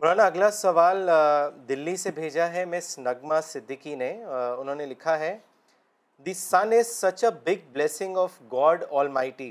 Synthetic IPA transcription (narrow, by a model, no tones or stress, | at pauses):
ɾaːnaɐɡlasɐʋaːld̪ɪlːisebʱeːd͡ʒaɦɛmɛ̃snɐɡmasɪd̪ʱːɪkineʊnɦõːnelɪkʰaɦɛ | d̪isanɪzsɐt͡ʃəbɪɡ̚blɛːsɪ̃ŋɡɔːfɡɔːɖɔːlmaːɪʈiː